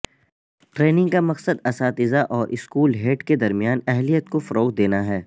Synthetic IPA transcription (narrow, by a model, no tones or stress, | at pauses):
ʈɾeːnɪ̃ŋɡkamɐqsəd̪ɐsaːt̪ɪzaʔɔːɾʔɪskuːlɦeːʈked̪ɐɾmijaːnɛɦlijət̪̚kofɐɾoːqd̪eːnaɦɛː